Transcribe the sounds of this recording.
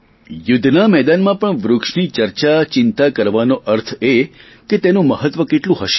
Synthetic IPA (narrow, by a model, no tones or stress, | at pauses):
jʊd̪ʱnamɛd̪anmãpəɳʋɾʊkʂnit͡ʃəɾt͡ʃat͡ʃɪnt̪akəɾʋanoʔəɾt̪ʰe | ket̪enũməɦət̪ʋəkeʈlũɦəʃe̥